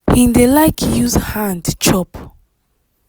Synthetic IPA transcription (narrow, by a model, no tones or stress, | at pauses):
hĩndelaɪkʰjuzhãndt͡ʃɔp